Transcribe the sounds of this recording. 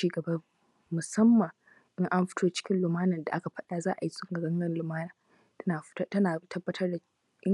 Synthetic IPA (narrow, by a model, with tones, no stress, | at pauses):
iː˦ɡɐ˨bɐ˦ | mʊ˨sɐ˦mːɐ˨ŋ | ʔɪ˦ŋʔa˦mɸɪ̥˦tʰoː˦t͡ʃɪ̥˦kʲɪ˦nlʊ˨maː˦nɐ˨nda˨ʔa˦ka˨ɸɐ˦ɗaː˦zaː˦ʔa˨ji˦sʊ˦ŋɡɐ˨ɡɐ˦ŋɡɐ˦nlʊ˨maː˦naː˨ | ɐ˦naː˨˦tɐ˦naː˨tʰɐ˦bːɐ˦tʰɐ˦rda˨ | ʔɪ˦